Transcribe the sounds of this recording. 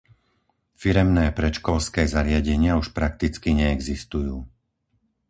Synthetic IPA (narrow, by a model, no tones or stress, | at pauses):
fiɾɛmnɛːpɾɛt͡ʃkɔlskɛːzaɾɪaɟɛɲɪauʃpɾak̚t̪it͡skiɲɛːɡzist̪ujuː